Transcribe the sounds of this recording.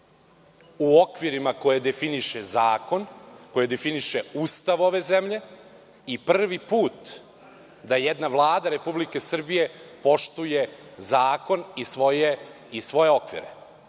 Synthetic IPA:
uokʋiɾimako̞jed̪e̞finiʃezaːko̞nko̞jed̪efiniʃe̞uːst̪aʋo̞ʋe̞zemʎe̞ | iprr̩ʋipuːt̪ | d̪ajed̪naʋlˠaːd̪aɾe̞publike̞sr̩bije̞po̞ʃt̪uje̞zaːko̞nisʋoje | isʋo̞je̞o̞kʋḭɾḛ

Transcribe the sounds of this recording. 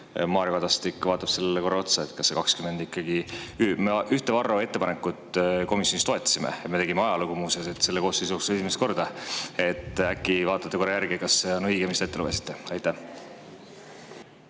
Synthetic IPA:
mɑːɾjɑkɑd̪ɑst̪ikːˑvɑːt̪ːˑɑpse̞lːeko̞ɾeo̞t̪sɑet̪kɑsːe̞kɑkskyme̞nd̪ikːˑɑɡiymeʔyht̪evɑrːoe̞t̪ːepɑnekːˑut̪ːˑko̞misjonist̪o̞et̪ːɑ̥simḛet̪met̪eɡimeɑjɑluɡumuːseset̪ːse̞lːeko̞ːsːeis̬oːksesimest̪ko̞rd̪ɑe̞t̪ːˑækːˑivɑːt̪ːˑɑt̪ːeko̞ɾejæɾɡikɑsːe̞onɤjɡemist̪et̪ːe̞luvesi̥t̪ˑːeɑjt̪ːˑæh

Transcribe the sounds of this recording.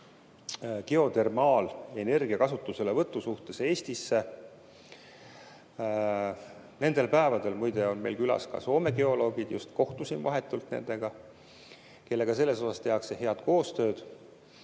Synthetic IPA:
keo̞t̪e̞rmɑːle̞ne̞rɡiɑkɑsut̪ːˑuse̞levɤt̪ːˑusuht̪e̞se̞ːst̪isːe̞ | ne̞nd̪̥e̞lpæevɑd̪e̞lmujd̪̥e̞o̞nme̞̰jlkylɑ̰skɑ̰so̞ːme̞ɡe̞o̞lo̞ːɡid̪̥jṵst̪ko̞ht̪usimvɑɦe̞t̪ːˑult̪ne̞̰nd̪̥e̞ɡ̥ɑ | ke̞lːe̞ɡ̥ɑse̞lːe̞so̞sɑst̪e̞ɑksehe̞ɑd̪̥ko̞ːst̪ø̞ːd̪̥

